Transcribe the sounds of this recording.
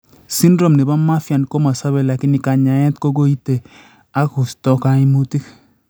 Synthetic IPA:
si˦ndɾo˨mni˨ba˦ma˦fja˨n˨ko˦ma˨sa˦be˦la˨kɪ˦nɪ˨ka˨ɲa˨ɛ˦t̚ko˦ɡo˦i˦te˨ | a˦ku˨stɔ˦ka˦i˦mu˦ti˦k

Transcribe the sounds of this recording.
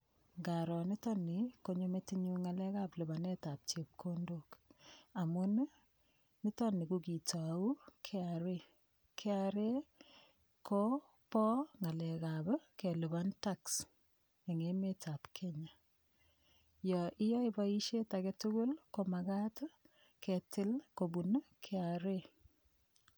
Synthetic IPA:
ŋɡa˨ɾɔ˨nɪ˦tɔ˦nɪ˨ko˦ɲo˦metiɲu˦ŋa˨lɛ˦kaplu˨ba˨ne˦ta˨p̚t͡ʃe˨p̚kʰondoka˨mʊ˦n | nɪ˦tɔ˦ni˨kuki˨ta˨u˦kʰeaɾe˦ | kʰɛ˦aɾe˦ | kʰo˦ | pɔ˦ŋa˨lɛ˨kabɛ˦ke˨lu˨βantaks | e˨ŋeme˦ta˨pkʰe˦ɲa˨ | jɔ˨ʔɪ˦jɔ˦ipa˦i˦ʃe˦ta˨kɛ˦tʊkʊ˦lko˨ma˨ka˦t | kʰetɪ˦lko˨bu˨n˦kʰɛ˦aɾe˦

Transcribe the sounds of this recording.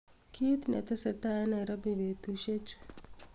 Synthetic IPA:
kʰi˦t̪nɛ̰˨t̪ɛ˦sɛ˨t̪a˦ɛ˦na˨ɾa˦bi˨βe˨t̪u˦ʃe˦t͡ʃ

